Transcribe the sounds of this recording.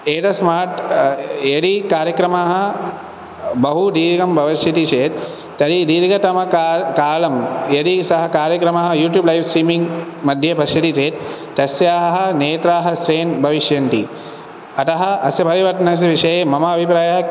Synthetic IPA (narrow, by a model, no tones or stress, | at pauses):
eːʈɐsmaːɾʈjeɽikaːɾjɐkɾɐmaːɦɐ̆ | bɐɦud̪iːɾɡɐmbʱɐʋɐʃjɐt̪it͡ʃeːt̪ | t̪ɐɾid̪iːɾɡɐt̪ɐmɐkːkaːlɐmjeɽisɐɦɐkaːɾjɐkɾɐmaːɦɐjuːʈjuːblɐjʋsɾiːmiŋɡmɐd̪ʱjɐbʱɐʃjɐt̪it͡ʃeːt̪ː | ɐsjaːɦɐ̆neːt̪ɾaːɦɐ̆sɾeːnbʱɐʋiʃjɐnt̪i | ɐt̪ɐɦɐ̆ɐ̰sjɐpɐɾiʋɐʈ̪ɐnɐs̬iʋiʂɐjeːmɐmɐɐbʱipɾaːjaɦɐ